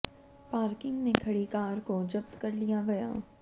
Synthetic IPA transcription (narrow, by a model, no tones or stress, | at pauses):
paːɾkɪ̃ŋɡmẽkʰɐɽikaːɾkod͡ʒɐbt̪kɐɾlijaɡɐja̰ː